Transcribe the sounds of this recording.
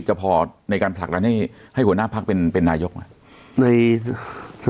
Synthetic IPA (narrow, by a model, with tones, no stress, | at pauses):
p̚t͡ɕa˧˩pʰɔː˧na˧jkaː˧npʰa˨˩k̚aː˧nha˥˩jha˥˩jhu˩˦naː˥˩pʰa˦˥k̚pe˧npe˧nːaː˧jo˦˥k̚ma˧˥˩ | na˧jʰ